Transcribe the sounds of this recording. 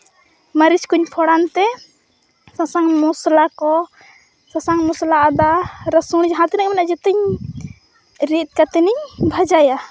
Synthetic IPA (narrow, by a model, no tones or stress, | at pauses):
məɾit͡ʃkuɲpʰɔɽant̪ɛ | sasaŋmuslakɔ | sasaŋmuslaʔad̪aɾəsuɽd͡ʒɦat̪inakmɛnaʔd͡ʒɛt̪əɲ | ɾit̪̚ˀkat̪ɛniɲbʱad͡ʒaja